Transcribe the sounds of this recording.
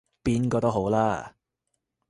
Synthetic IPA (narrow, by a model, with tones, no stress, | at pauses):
piː˥nkɔː˧t̪o˥ɦo˨˥wlaː˥